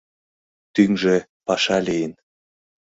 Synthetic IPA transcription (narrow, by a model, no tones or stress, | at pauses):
t̪yŋʒĕ | pɑʃɑlejən